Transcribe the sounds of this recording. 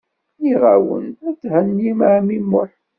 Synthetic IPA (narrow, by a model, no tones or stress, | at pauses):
iʁawə̰næt͡sːhænjimʕmimːʊħ